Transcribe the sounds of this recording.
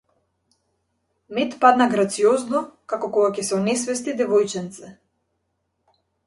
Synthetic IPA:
mɛt̪pad̪naɡɾat̪siɔznɔkakɔkɔɡacɛsɛɔnɛsvɛst̪id̪ɛvɔjt͡ʃɛnt̪sɛ

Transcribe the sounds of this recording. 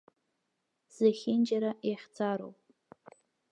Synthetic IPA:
z̥aχʲɪnd͡ʒaɾajaχʲt͡sʰaɾo̰wpʼ

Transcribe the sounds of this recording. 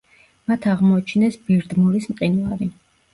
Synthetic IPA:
mat̪ʰaʁmɔːt͡ʃʰnɛsbiɾd̪muɾismqʼinvaɾi

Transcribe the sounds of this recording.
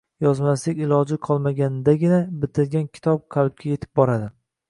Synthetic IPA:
jɒzmaslɪkʲɪlˠɒd͡ʒɪqʰɒlˠmaɡʲanɪd̪aɡʲɪnabɪt̪ʰɪɾɡʲankʲʰɪ̥t̪ʰɒp̚qʰɑlˠɪb̚kʲʰaje̞t̪ʰɪ̥p̚bɒɾad̪ɪ

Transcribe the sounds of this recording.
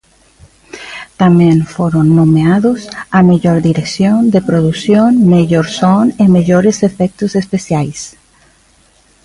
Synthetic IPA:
t̪amẽnfoɾonːõmeaðosameʎoɾðiɾeksjond̪epɾoðusjonmeʎoɾsonemeʎoɾesefɛk̚t̪osespesjajs

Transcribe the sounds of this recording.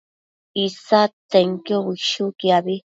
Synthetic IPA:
isat̪eŋkioβiʃukiaβi

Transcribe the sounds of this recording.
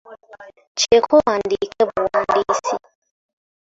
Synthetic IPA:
t͡ʃɛkʰɔwandikɛbuwandisi

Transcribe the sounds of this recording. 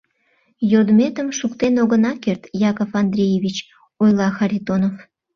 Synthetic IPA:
jod̪met̪əmʃukt̪enoɣənɑkert̪jɑkofɑnd̪rʲijeβʲit͡ɕ | ojlɑxɑɾʲit̪onof

